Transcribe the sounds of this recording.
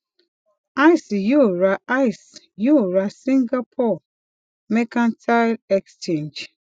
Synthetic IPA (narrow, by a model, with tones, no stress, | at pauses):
a˦jsju˦˨ɹa˨ʔa˦ɪs | ju˦ɹa˨sĩ˦ŋɡa˦pʰɔ˦˨ | mɛ˦kã˦ntʰa˦lɛ˨kst͡ʃẽ˦˨nd͡ʒ